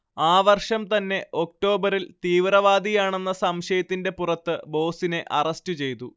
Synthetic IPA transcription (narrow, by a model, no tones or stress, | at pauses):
aːʋɐrʂɐmt̪ɐnːe̞ʔo̞k̚ʈo̞ːbɐɾilt̪iːʋrɐʋaːd̪ʱijaːɳe̞nːɐsɐmɕɐjɐt̪ːinde̞purɐt̪ːɨbo̞ːsine̞ʔɐrɐstɨt͡ɕe̞jt̪u